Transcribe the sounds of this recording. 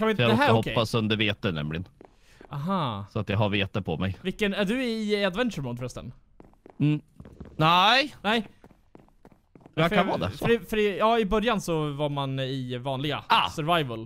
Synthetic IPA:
kʰanvɪnj̪ɦæɾɦɔkʰɛːasɵnd̪əɾveːt̪ənɛ̰mlɪɡən | aɦaːsɔat̪jɑɦaɾveːt̪əpʰɔmɛ̰jvɪkːənæɖɵɪɪad̪vɛnt̪ʃəɾmuːd̪ɾœst̪ə̰nː | nænɛɪ | akanvɑːd̪ɛ̰fɾɪfœɾɪjɑːɪbœɾjansɔvaɾmanɪvɑːnlɪɡa̰sœɾvajvəl

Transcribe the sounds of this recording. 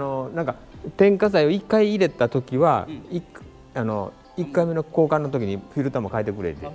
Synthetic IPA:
nonãŋkat̪ẽ̞ŋkas̬aio̞ikːaiːɾe̞t̪at̪o̞kʲiβaik | ano̞ | ikːaime̞no̞ko̞ːkãnːo̞t̪̬o̞k̬ʲiɲ̟iɸʲiɾɯ̟t̪amokaet̪e̞kɯ̟ɾe̞̰t̪e

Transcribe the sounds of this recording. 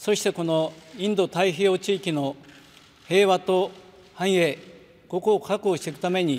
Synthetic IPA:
so̞ɕi̥t̪e̞ko̞no̞ĩnd̪o̞t̪aiɦio̞ːt͡ɕiːkʲino̞ | he̞ːβat̪o̞ | hãɰ̃je̞ː | ɡ̥o̞koːkakɯoːɕi̥t̪ekɯ̟t̪ame̞ɲ̟i

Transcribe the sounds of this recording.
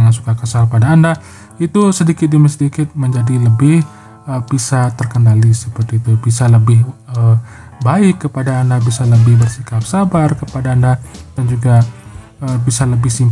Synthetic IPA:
ŋansu̥kakəsalpadaːnda | it̪usədikɪt̪̚diməsədikɪt̪̚məɲd͡ʒadiləbɪh | əbisat̪ərkənalisəpərt̪iːt̪ubisaləbɪhə | baɪkːəpadaːndabisaləbɪhbərsikap̚sabarkəpadaːndad̥and͡ʒuɡa | əbisaləbɪhsim

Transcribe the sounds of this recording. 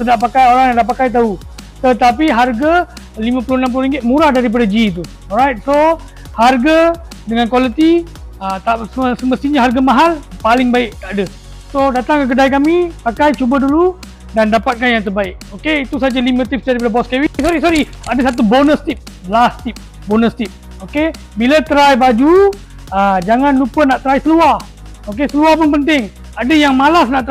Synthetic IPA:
sədaʔpakajoɾaŋjaŋlapakajt̪̬aut̪ət̪apiɦarɡa | limãpulʊhnamp̬ulʊhɾiŋɡɪt̪̚muɾahdaɾip̬adad͡ʒit̪̬u | ɔlɾajt̪̚so | harɡadəŋankwalit̪i | ət̪aʔssəməst̪iɲaɦarɡamaɦalpalɪŋbaɪʔt̪aʔdə | sodat̪aŋkək̬ədajkamipakajt͡ʃubədulu | dandapat̪̚kanjaŋt̪̬ərbaɪk̚okeit̪usad͡ʒalimə̃t̪ip̚sd͡ʒaɾipadabɔskɛwisoɾisoɾi | adəsat̪̬ubonəst̪ip̚ | bəlast̪ip̚ | bonəst̪ip̚ | oke | bilat̪əɾajbad͡ʒu | əd͡ʒaŋanlupənaʔt̪əɾajsəluah | okesəluahpʊnpənt̪ɪŋ | adəjaŋmalasnaʔt̪ə

